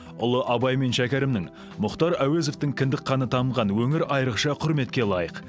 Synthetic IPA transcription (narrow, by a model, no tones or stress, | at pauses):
ʊlˠəʔɑbɑjme̞nʃækʲeɾɪmnɪŋ | mʊqt̪ɑɾæwe̞zo̞ft̪ɪŋkʲʰɪnd̪ɪkqɑnət̪ʰɑməʁɑnwɵŋɪɾʔɑjəɾəqʃɑqʰʊɾme̞t̪kʲelˠɑjəq